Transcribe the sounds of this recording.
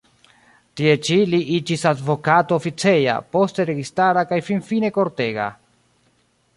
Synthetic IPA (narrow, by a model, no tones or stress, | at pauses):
tie̞t͡ʃiliʔid͡ʒisadvo̞katoːfit͡se̞ja̰po̞ste̞ɾe̞ɡistaɾakajfinfine̞ko̞ɾte̞ɡa̰